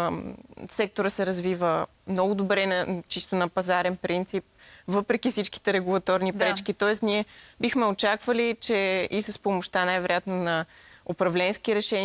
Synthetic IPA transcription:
sɛk̚t̪oɾəsɛɾɐzvivə | mnɔɡʊd̪obɾɛnɐt͡ʃist̪onɐpɐzaɾɛnpɾint̪sip̚vɤpɾɛk̟ifsit͡ʃki̥t̪ɛɾɛɡulˠɐt̪ɔɾnipɾɛt͡ʃk̟it̪ɔɛsniɛbixmɛot͡ʃakvəlit͡ʃɛisəspomoʃt̪anajvɛɾojat̪nonɐopɾɐvlɛnskiɾɛʃɛn

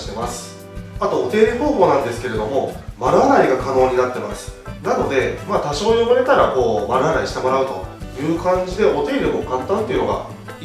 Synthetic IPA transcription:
i̥t̪e̞masɨ̥ | at̪o̞ːt̪e̞ːɾʲiɸo̞ːɦo̞ːnãnd̪e̞sɨ̥ke̞ɾe̞d̪o̞mo̞maɾɯ̟anaiɡakano̞ːɲ̟inat̪ːe̞masɨ̥nano̞d̪e̞maːt̪aɕo̞ːjobɯɾe̞t̪aɾako̞ːmaɾɯ̟anaiɕi̥t̪e̞mo̞ɾaɯ̟t̪o̞̰jɯ̟ːkãɲ̟d͡ʑid̪e̞o̞t̪e̞ːɾʲoɡokãnt̪ːãnt̪ːeiɯ̟no̞ɡa̰

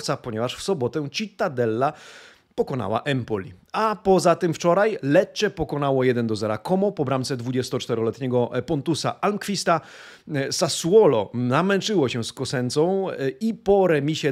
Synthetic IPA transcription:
t̪sapɔɲɛvaʂfsɔbɔt̪ɛ̃t͡ɕit̪ad̪ɛlːa | pɔkɔna̰wa̰ʔɛmpɔlʲi | apɔzat̪ɘmft͡ʂɔɾajlɛt͡ɕːɛpɔkɔnawɔjɛd̪ɛnd̪ɔzɛɾakɔmɔpɔbɾamt̪sɛd̪vud͡ʑɛst̪ɔt͡ʂt̪ɛɾɔlɛt̪ɲɛɡɔpɔnt̪usa̰ʔalmkfʲist̪a | sasuɔlɔnamɛnt͡ʂɘwɔɕɛskɔsɛnt̪sɔ̃w̃ipɔɾɛmʲiɕɛ

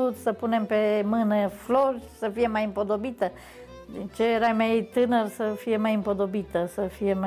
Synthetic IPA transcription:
ut̪səpune̞mpe̞mɨnəflo̞rʲsəfije̞majɨmpo̞d̪o̞bit̪ə | d̪int͡ʃe̞jeɾamejt̪ɨnərsəfije̞majɨmpo̞d̪o̞bit̪əsəfije̞ma

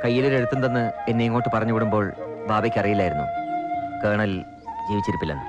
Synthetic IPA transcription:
kɐjːiloɾe̞ɻut̪ːund̪ɐnːɨenːeŋːo̞ːʈːɨpɐrɐɲːukoɽumbo̞ːɭ | baːbɐkʲːɐrijilːaːjiɾunːṵkeːɳɐl | d͡ʑiːʋit͡ɕːiɾupːilːɐ̰nːɨ̰

